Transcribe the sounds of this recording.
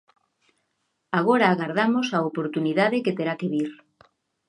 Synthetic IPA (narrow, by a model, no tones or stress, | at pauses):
aɣ̞oɾaːɣaɾðamosaopoɾt̪uniðaðeket̪eɾakeβiɾ